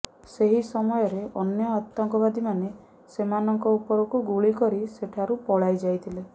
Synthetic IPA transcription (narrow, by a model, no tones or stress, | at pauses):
seɦisɔmɔjɔɾeɔnjɔat̪ːɔŋkɔβad̪ʱimane | semanɔŋkɔupɔɾɔkuɡuɭikɔɾiseʈʰaɾupɔɭajd͡ʒajt̪ʰile